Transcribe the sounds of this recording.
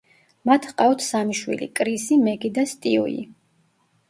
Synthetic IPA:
mat̪ʰqʼavt̪ʰsamiʃwḭlḭkʼɾisimɛɡid̪ast̪ʼiṵjḭ

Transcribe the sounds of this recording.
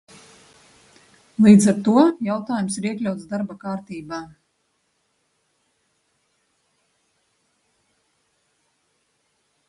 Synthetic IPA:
lˠiːd̪zaɾt̪uɔjawt̪aːjumsiɾiɛklʲawt̪sd̪aɾbakaːɾt̪iːbaː

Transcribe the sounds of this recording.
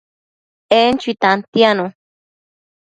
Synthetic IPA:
ent͡ʃuit̪ant̪janõ

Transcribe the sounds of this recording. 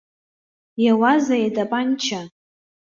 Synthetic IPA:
jawazajadʼapʼant͡ʃʰa

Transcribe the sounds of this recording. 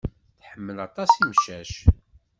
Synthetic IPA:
θħəmːəlɑt̪ˤɑsimʃæʃ

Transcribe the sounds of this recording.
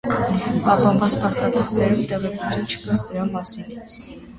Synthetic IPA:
pɑhpɑnvɑt͡spʰɑst̪ɑt̪ʰəχt̪ɛɾumt̪ɛʁɛkut͡sʰjunt͡ʃʰə̥kɑt͡səɾɑmɑsin

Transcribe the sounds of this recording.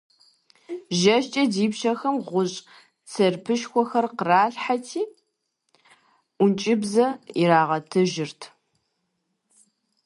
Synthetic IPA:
ʒɐʃt͡ʃʼɐdiːpʃɐxɐmʁʷʊɕʼ | t͡sʰɐrpʰɨʃxʷɔxɐrqəraːɬħatʰiː | ʔʷʊnt͡ʃʼɪbzɐiɾaːʁɐtʰɨʒɪrtʰ

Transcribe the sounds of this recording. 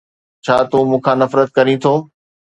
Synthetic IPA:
t͡ɕʰaːt̪oːmũːkʰãːnɐfɾət̪̚kɐɾĩt̪ʰoː

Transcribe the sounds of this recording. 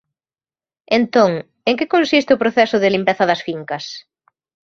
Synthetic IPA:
ent̪oŋ | eŋkɪkonsist̪ɪʊpɾoθɛsʊðɪlimpeθaðɐsfiŋkɐs

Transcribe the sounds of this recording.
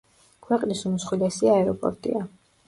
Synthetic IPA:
kʰwɛqʼnisumsχwilɛsiaɛɾɔpʼɔ̰ɾt̪ʼḭa

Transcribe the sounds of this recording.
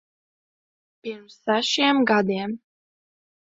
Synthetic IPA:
pʲiɾsaʃemɡɑd̪em

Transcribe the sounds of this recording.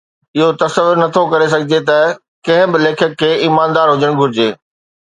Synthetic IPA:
ɪɦot̪ɐsəʋʊɾnɐt̪ʰokɐɾes̬ɐɡʱɪd͡ʑet̪ɐ | kɐ̃ɦɪ̃bɪleːkʰəkʰːeːiːmaːnd̪aːɾɦʊd͡ʑəɽ̃ɡʱʊɾɪd͡ʑeː

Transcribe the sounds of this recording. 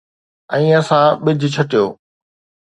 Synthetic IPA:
ɛ̃ːɐsãɓɪd͡ʑʱt͡ɕʰɐʈijoː

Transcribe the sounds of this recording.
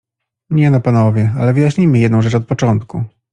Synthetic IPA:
ɲɛnapanɔvʲjɛalɛvɘjaʑɲimɘjɛd̪nɔ̃w̃ʐɛt͡ʂɔt̪̚pɔt͡ʂɔnt̪ku

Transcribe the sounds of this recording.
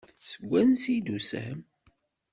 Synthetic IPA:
səɡʷːænsid̪usæ̰m

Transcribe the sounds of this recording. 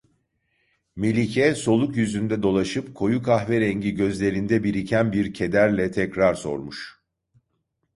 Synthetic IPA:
melʲicʰɛso̞lˠukjyzynd̪ɛd̪o̞lˠaʃɯpkʰo̞jukʰaxvɛɾɛɲɟiɟø̞zlʲe̞ɾind̪ɛbiɾicʰænbiɾcʰe̞d̪æɾlʲɛt̪ʰɛcɾaɾso̞̰ɾmuʃ

